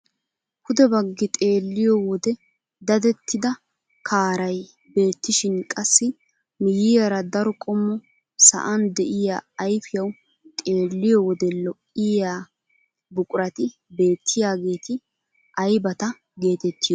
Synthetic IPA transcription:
hʊd̪ɛbɐɡːɪt̪ʼe̞ːlːɪjɔwɔd̪ɛ | d̪ɐd̪ɛt̪ːɪd̪ɐ | kʰaːɾɐj | be̞ːt̪ːɪʃɪnkʼɐsːɪ | mɪjɪjɐɾɐd̪ɐɾɔkʼɔmːɔ | sɐ̰ʔɐnd̪ɛʔɪjaːjfɪjɐw | t̪ʼe̞ːlːɪjɔwɔd̪ɛlɔʔːɪjaː | bʊkʼʊɾɐt̪ɪ | be̞ːt̪ʰːɪjaːɡe̞ːt̪ɪ | ʔɐjbɐt̪ɐ | ɡe̞ːt̪ɛt̪ːɪjɔ

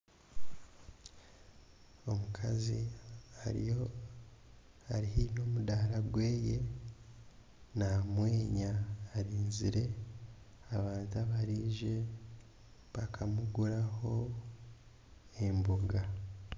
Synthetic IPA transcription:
o̞mukʰaziaɾijo | aɾihimo̞ːmudaːɾaɡweːje̞ | namwe̞ːɲaːɾiːnziɾe̞ | aβaːntaβaɾiːʒe | βakʰamuɡuɾaho̞ | emboɡa

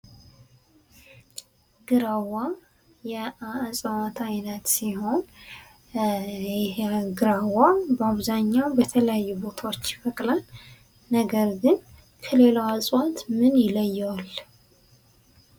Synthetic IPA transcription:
ɡ̥ɨɾawa | jɛasʼəwat̪ʰajnət̪siho̞n | ɡɨɾawabəaβzaɲːawbət̪ʰələjajːubo̞t̪ʰawot͡ʃːbəkʼlalː | əɡəɾɡɨn | kʰəle̞lawasʼwat̪mɨnjɪləjːwal

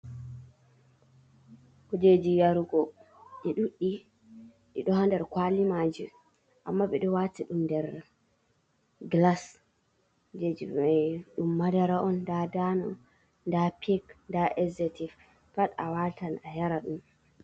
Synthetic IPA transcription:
kɔd͡ʒed͡ʒijaɾuɡɔ | ɗɛɗuɗːi | ɗɛɗɔhandɛɾkwalimad͡ʒi | ʔamːaɓɛɗɔwatiɗumndɛɾ | ɡlas | d͡ʒed͡ʒiajɗumːadaɾaʔɔndadanɔ̰ | ndapʰikndaʔɛzetif | fata̰watanahɛɾaɗum

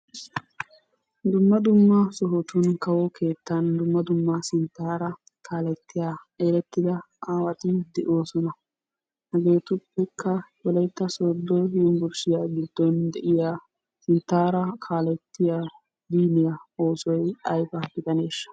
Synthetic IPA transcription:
d̪ʊmːɐd̪ʊmːɐsɔɦɔt̪ʊnkɐwɔkʰe̞ːt̪ːɐnd̪ʊmːɐd̪ʊmːɐsɪnt̪ːaːɾɐ | kʰaːlɛt̪ːɪja | eːɾɛt̪ːɪd̪ɐ | ʔaːwɐt̪ɪd̪ɛʔoːsɔnɐ | hɐɡe̞ːt̪ʊpːɛkʰːɐwɔlɐjt̪ːɐsoːd̪ːɔjbʊɾʃɪjaːɡɪd̪ːɔnd̪ɛʔɪjaː | sɪnt̪ːaːɾɐkʰaːlɛt̪ːɪja | d̪iːnɪjɐoːsɔjɐjfɐbɪt̪ɐne̞ːʃːɐ̥

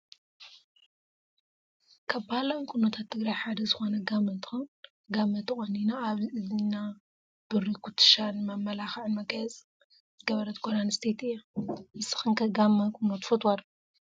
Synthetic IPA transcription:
kʰaβbahlawnkʰunɐt̪ʰat̪ʰːɨɡɾajħad̪ɐzɨxo̞nɐɡamːɐt̪xun | ɡamːɐt̪ʰɨχʼɐnːinaːβɨzina | b̥ɨɾikʰut̪ʰːɨ̥ʃanmɐmːɐlaxʕɨnmɐkɐjɛzʼ | ɡɐβɐɾɐt̪̚kʰoɾanɨst̪ʰet̪ɨjːamɨsɨ̥xɨnkʰɐɡamːɐkʰunːot̪fɐt̪wad̪

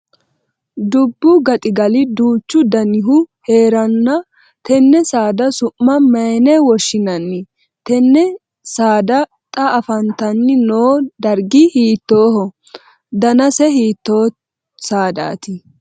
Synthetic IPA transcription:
d̪ʊbːʊɡɐt̪ʼɪɡɐlɪd̪uːt͡ʃːʊd̪ɐnɪɦʊheːɾɐnːɐ | t̪ɛnːɛsaːd̪ɐsʊmːɐmɐjnɛwɔʃːɪnɐnːɪ | t̪ɛnːɛ | saːd̪ɐ | t̪ʼɐɐfɐnt̪ɐnːɪnoːd̪ɐɾɡɪhiːt̪ːo̞ːhɔ | d̪ɐnɐsɛhiːt̪ːoː | saːd̪a̰ːt̪ɪ

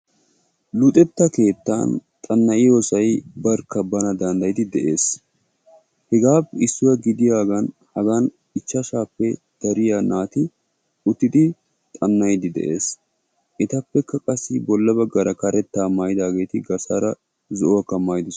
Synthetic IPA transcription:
lʊt̪ʼɛt̪ːɐke̞ːt̪ːa̰ːnt̪ʼɐnːɐʔɪjoːsɐjbɐɾkːɐbɐnɐd̪ɐnd̪ɐjɪd̪ɪd̪ɛʔe̞ːs | hɛɡaːpːɪsːʊwɐɡɪd̪ɪjaːɡɐnhɐɡan | ɪt͡ʃːɐʃaːpːɛ | d̪̥ɐɾɪjanaːt̪ɪ | ʊt̪ːɪd̪ɪ | t̪ʼɐnːɐjd̪ɪd̪ɛ̰ʔe̞ːs | ʔɪt̪ɐpːɛkːɐkʼɐsːɪbɔlːɐbɐɡːɐɾɐkɐɾɛt̪ːaːmajd̪aːɡe̞ːt̪ɪɡɐsaɾɐ | zɔʔɔwɐkːɐmaːjd̪ɪs

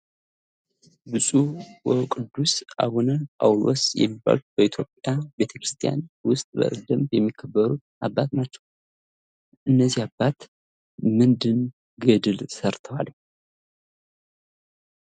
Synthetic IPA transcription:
bɨsʼuwɔkʼɨd̪ːusʔa̰wunɨnawlo̰sjɛ̰mːiba̰lb̥əit̪ʰjo̞pʼjabe̞t̪ʰəkɾɨst̪ʰija̰nwʊst̪ʼbə̰d̪əmbjɛmːikʰːəbːəɾut̪ | abːat̪nat͡ʃːɛ̥w | ʔɨnːəzːihabːat̪ | mɨnd̪ɨn | ɡəd̪ɨlsəɾt̪ʰəwa̰l

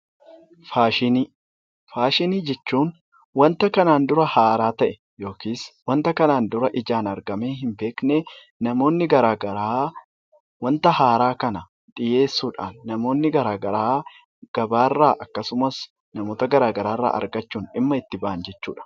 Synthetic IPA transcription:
faːʃɪni | faːʃɪniːd͡ʒɛt͡ʃːuːn | wɐnt̪ɐkɐnaːnd̪ʊɾɐhaːɾaːt̪ɐʔɛ̥ | jo̞ːkiːswɐnt̪ɐkɐnaːnd̪ʊɾɐʔɪd͡ʒaːnɐɾɡɐmeːɦɪmbe̞ːknɛ | nɐmo̞ːnːɪɡɐɾaːɡɐɾaː | wɐnt̪ɐhaːɾaːkɐnɐ | ᶑ̪ʼɪje̞ːsːuːᶑaːnːɐmo̞ːnːɪɡɐɾaːɡɐɾaː | ɡ̥ɐbaːrːaːʔɐkːɐsʊmɐs | nɐmoːt̪ɐɡɐɾaːɡɐɾaːrːa̰ːʔɐ̰ɾɡɐt͡ʃːuːnɪmːɐɪt̪ːɪbɐʔɐnd͡ʒɛt͡ʃːuːᶑɐ̥

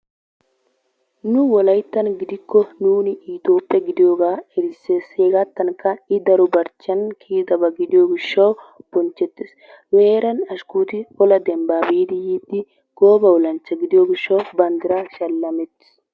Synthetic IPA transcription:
nʊwɔlɐjt̪ːɐnɡɪd̪ɪkːɔnuːnɪit̪o̞ːpʼːɛɡɪd̪ɪjoːɡaːɛɾɪsːeseːɡat̪ːɐnkːɐɪd̪ɐɾʊbɐɾt͡ʃːɐnkʰiːd̪ɐbɐɡɪd̪ɪjoːɡɪʃːɐw | b̥ɔnt͡ʃːɛt̪ːɪs | weːɾɐnɐʃkuːt̪ɪɔlɐd̪ɛmbaːbiːd̪ɪjiːd̪ːɪ | ɡ̥oːbɐwɔlɐnt͡ʃːɐɡɪd̪ɪjoːɡɪʃːɐwbɐnd̪ɪɾaʃɐlːɐmɛt̪ːɪ̥s

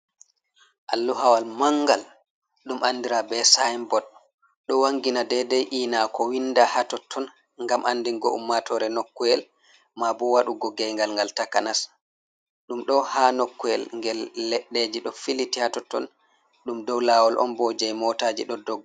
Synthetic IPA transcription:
ʔalːuɦawalmaŋɡal | ɗumʔandiɾabɛsajmbɔd | ɗɔwaŋɡinadɛdɛjʔiːnakɔwindahatɔtʰːɔn | ŋɡamʔandiŋɡɔʔṵmːatʰɔɾɛnokːuɛl | mabɔwaɗuɡɔɡɛjŋɡalŋɡaltakanas | ɗumɗɔhanokːuɛlŋɡɛlːɛɗːed͡ʒiɗɔfilitihatɔtːɔ̰n | ɗumdɔwlaːwɔlʔɔ̰mbɔd͡ʒɛjmɔtaːd͡ʒḭɗɔdɔɡ

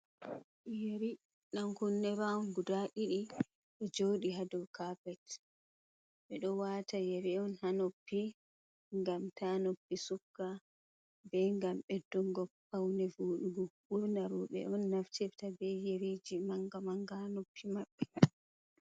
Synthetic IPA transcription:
jeɾi | naŋkunːɛɾaɔnɡudaɗiɗi | ɓɛd͡ʒoːɗiɦadɔkaːpɛt | ɓɛɗɔwatajɛɾɛɔnhanopːi | ŋɡamtʰanopːisukːa | bɛŋɡamɓɛdɔŋɡɔpːawnɛvoːɗuɡɔbuɾnaɾɔɓɛ̰ʔɔnːaftʰɛftabɛjeɾid͡ʒimaŋɡamaŋɡanopːimaɓːɛ

